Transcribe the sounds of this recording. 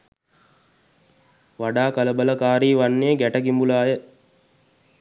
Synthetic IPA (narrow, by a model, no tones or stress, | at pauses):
ʋaɖaːkələbələkaːɾiːʋanːeəɡæʈəkimbulaːjə